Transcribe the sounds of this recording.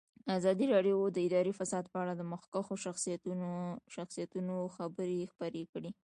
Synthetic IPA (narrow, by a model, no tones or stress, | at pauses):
azɑd̪iɾɑɖjod̪əɪd̪ɑɾifasɑd̪̚pəaɽad̪əmʊxkaxoʃaxsijat̪ʃaxsijat̪unoxabəɾexpəɾekɽi